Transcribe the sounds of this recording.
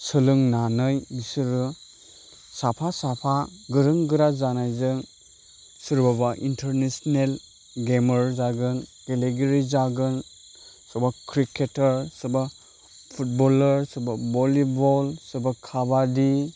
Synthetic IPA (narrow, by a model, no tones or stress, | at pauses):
sɯlɯŋnanɯjmisɯɾɯ | sapʰasapʰaɡɯɾɯŋɡɯɾazanajzɯŋ | sɯɾbabaʔintʰəɾnesnel | ɡeməɾzaɡɯnɡeleɡeɾizaɡɯn | sɔbakʰɾikʰetəɾsba | pʰut̚bɔləɾsɯɾbabɔlibɔlsɯbakʰabadi